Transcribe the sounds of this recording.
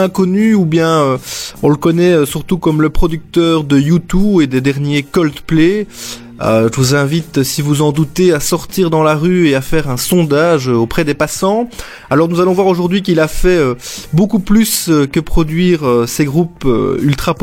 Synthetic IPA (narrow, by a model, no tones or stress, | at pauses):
ɛ̃kɔnyubjɛ̃øɔ̃ləkɔnɛøsyʁt̪ukɔmləpχɔd̪yk̚t̪œːʁd̪əjut̪ued̪ed̪ɛʁnjekɔlt̪ple | øʒəvuzɛ̃vit̪sivuzɑ̃d̪ut̪easɔʁt̪iːʁd̪ɑ̃laʁyeafɛʁɛ̃sɔ̃d̪aʒøopχɛd̪epasɑ̃ | alɔʁnuzalɔ̃vwaʁoʒuʁd̪ɥikilafɛøbokuplysøkəpχɔd̪ɥiːʁøseɡʁupø̰ylt̪χap